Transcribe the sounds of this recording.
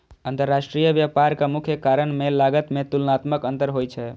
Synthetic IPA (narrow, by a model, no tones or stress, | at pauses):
ənt̪əɾːasʈɾijəbjapaɾkamukʰjəkaɾənmelaɡət̪met̪ulnat̪məkənt̪əɾɦojt͡ʃʰɛ